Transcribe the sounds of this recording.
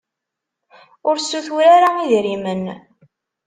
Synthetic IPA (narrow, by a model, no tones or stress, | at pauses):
ʊɾsːuθuɾaɾaiðɾimən